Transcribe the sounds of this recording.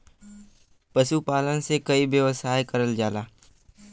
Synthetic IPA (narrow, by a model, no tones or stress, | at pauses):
pɐʃupaːlənsekɐibjəʋəsaːekɐɾəld͡ʒaːlaː